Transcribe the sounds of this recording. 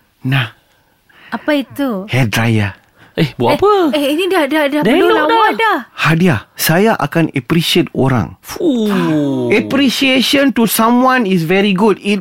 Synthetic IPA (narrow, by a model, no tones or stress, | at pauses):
nah | apait̪uhɛdɾaja | ʔehbpəɛinidadadahdəuaadahadiasajaʔa̰kãnɛpɾiʃiet̚oɾã̰ŋfu | ɛpɾiʃieʃə̃ntusãmwãnis̬vɛɹiɡudit̚